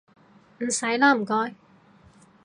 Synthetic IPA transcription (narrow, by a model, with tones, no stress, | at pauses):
m̩˨˩sɐ˨˥jlaː˥m̩˨˩kɔː˥j